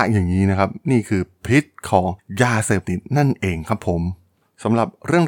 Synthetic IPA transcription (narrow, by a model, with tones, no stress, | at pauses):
jaː˨˩ŋːiː˦˥na˦˥kʰa˦˥p̚niː˥˩kʰɯː˧pʰi˦˥t̪̚kʰɔː˩˦ŋjaː˧seː˨˩p̚t̪i˨˩t̪̚na˥˩nʔeː˧ŋkʰa˦˥pʰːo˨˩˦m | sa˩˦mɾa˨˩p̚ɾɯ˥˩əŋ